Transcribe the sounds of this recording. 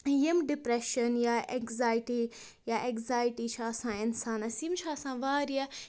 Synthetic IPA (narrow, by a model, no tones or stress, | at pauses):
jɐmɖɪpɾeʃɐnjaːekzaːjʈi | jaːʔekzaːjɪʈit͡ʃʰaɐsãːɪnsãːnɐsiːmt͡ʃʰaːɐsãːʋaːɾija